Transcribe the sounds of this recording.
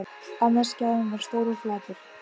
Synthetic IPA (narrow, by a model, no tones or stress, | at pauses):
anːaɾscaːʏnɛɾ̥st̪owɾʏflaːt̪ɪɾ̥